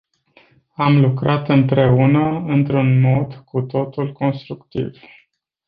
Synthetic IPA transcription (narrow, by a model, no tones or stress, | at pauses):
amlukɾat̪ɨnpɾe̞unəɨnt̪ɾunmo̞d̪kut̪o̞t̪ulko̞nst̪ɾukt̪ḭv̥